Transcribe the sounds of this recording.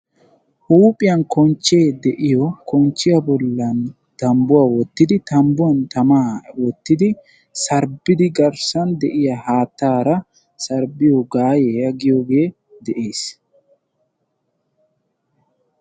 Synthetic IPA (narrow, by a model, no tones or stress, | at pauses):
huːpʼɪjɐnkɔnt͡ʃːe̞ːd̪ɛʔɪjɔkɔnt͡ʃːɪjɐbɔlːɐn | t̪ɐmbʊwaːwɔt̪ːɪd̪ɪt̪ɐmbʊwɐnt̪ɐmaːwɔt̪ːɪd̪ɪ | sɐɾbɪd̪ɪɡɐɾsɐnd̪ɛʔɪjahaːt̪ːaːɾɐ | sɐɾbɪjɔɡaːjejɐɡɪjoɡe̞ː | d̪ɛʔe̞ːs